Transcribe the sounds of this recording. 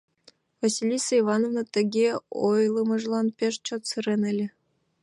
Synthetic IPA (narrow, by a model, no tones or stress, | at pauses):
vɑsʲilʲisɤivɑnovnɤt̪ɘ̆ɡʲeojlˠɤmɤ̆ʐlˠɑnpʲeʂt͡ɕot̪sɨɾenɘ̆lʲɘ̆